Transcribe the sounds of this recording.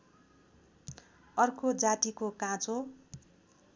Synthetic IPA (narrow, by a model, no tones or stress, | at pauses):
ʌrkod͡zaʈikokãt͡so